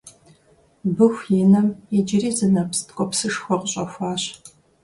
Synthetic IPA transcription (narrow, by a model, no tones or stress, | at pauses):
bɨxʷjɪnɐmɛd͡ʒɪɾiːzɨnɐpstkʷʼɔpsɨʂxʷɔqəɕʼɐfʷaːɕ